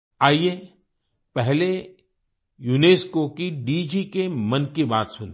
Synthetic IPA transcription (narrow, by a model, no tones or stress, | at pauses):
aːie | pɛɦle | juːneːskokiɖiːd͡ʒikemɐnkibaːt̪sʊn